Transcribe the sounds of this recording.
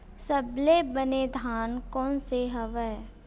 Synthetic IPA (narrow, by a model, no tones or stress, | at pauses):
səblebəned̪ʱaːnkɔːnseɦɐʋɛ